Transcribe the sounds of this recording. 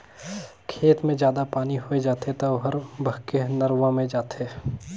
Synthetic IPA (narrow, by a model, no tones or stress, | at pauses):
kʰeːt̪mẽd͡ʒjaːd̪apaːniɦoed͡ʒaːt̪et̪ɐɦəɾbʱəkenɐɾʋãmẽd͡ʒaːt̪eː